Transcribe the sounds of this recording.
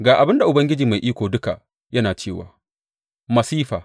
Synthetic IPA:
ɡaː˨ʔa˨bɪ˦nda˨ʔʊ˨bɐ˦ŋɡʲɪ˦d͡ʒiː˨ma˨jʔiː˦kʷoː˨dʊ˦ka̰˨ | jɐ˦naː˨t͡ʃeː˦˨wa̰ː˨ | mɐ˨siː˦ɸa̰ː˨

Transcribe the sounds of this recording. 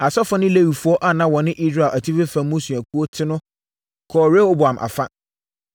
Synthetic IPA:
a˨sɔ˦fʊ˦nɪ̃˦le˦wi˨fu˦ɔ˦ʔa˦˨nã˦wɔ˨nɪ̃˦ʔi˦sɾa˨ʔæ˨tʰi˦fe˦fã˨˦mʊ̃˦su˨æ˨kʰu˦o˦tʰɪ˦nʊ̃˦ | kʰɔː˨ɾe˦o˦bʊ˨ã˨mʔa̰˨fa˦

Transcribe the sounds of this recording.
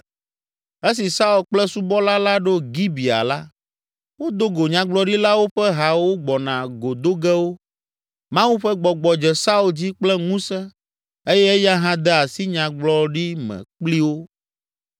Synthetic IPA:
e˦s̬i˨sa˦u˨lk͡plɛ˦su˦bɔ˦la˦la˦ɖo˦ɡi˦bi˨a̰˨la˦ | wo˦d̪o˦ɡo˨ɲã˨ɡ͡blɔ˦ɖi˦la˦wo˦ɸɛ˦ɦa˨wo˦ɡ͡bɔ˨nã˨ɡo˨d̪o˦ɡɛ˦wo˦ | mã˦wu˦ɸɛ˦ɡ͡bɔ˨ɡ͡bɔ˨d͡ʒɛ˨sa˦u˨ld͡ʑi˦k͡plɛ˦ŋũ˦sɛ˦ | e˦jɛ˦e˦ja˦ɦã˦d̪ɛ˦a˨si˦ɲã˨ɡ͡blɔ˦ɖi˦mɛ̰̃˨k͡pli˦wo˦

